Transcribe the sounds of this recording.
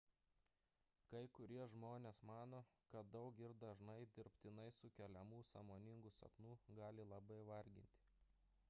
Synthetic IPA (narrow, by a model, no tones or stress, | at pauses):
kɐɪkʊɾʲiɛʒmoːnʲeːsmɑːnoːkɐt̪̚d̪ɒʊkɪɾd̪ɐʒnɐɪd̪ʲɪɾʲpʲt̪ʲɪnɐɪsʊkʲɛlʲɛmuːsɑ̰moːnʲɪŋɡʊsɐ̰p̪nuːɡɑːlʲɪlˠɐbɐɪʋɐɾʲɡʲɪ̰nʲt̪ʲɪ̥